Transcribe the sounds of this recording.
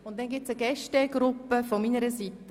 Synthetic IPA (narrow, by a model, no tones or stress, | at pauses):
ʊnt̚dɛnɡɪtt͡səɡɛʃtəɡɾʊpːəfɔminəɾəsitə